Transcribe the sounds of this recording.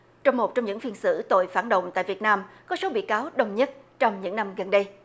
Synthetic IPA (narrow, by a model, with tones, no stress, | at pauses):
t͡ɕɔ˧wŋ͡mmo˨˩t̚t͡ɕɔ˧wŋ͡mɲɨ̰˧˥ŋfi˧ənsɨ̰˧˥t̪o̰˧˨jfaː˧˩nɗə̰˧˨wŋ͡mt̪a̰ː˧˨jvi˨˩ət̚naː˧mkɔ˨˦so˨˦ɓḭ˧˨kaː˨˦wɗə˧wŋ͡mɲə˦˥t̚t͡ɕɔ˧wŋ͡mɲɨ̰˧˥ŋna˧mɣə˨˩nɗə˧j